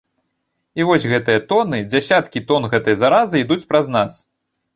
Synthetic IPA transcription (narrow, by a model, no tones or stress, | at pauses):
ivɔsʲɣɛt̪ɨjɐt̪ɔnɨd͡zʲasʲat̪kʲit̪ɔnɣɛt̪ɨjzaɾazɨid̪ut͡sʲpɾɐznas